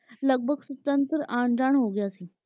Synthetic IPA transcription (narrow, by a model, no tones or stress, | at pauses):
ləɡ̚bʱəɡsut̪ənt̪ɾəʔãɳd͡zaɳɦoɡiasĩ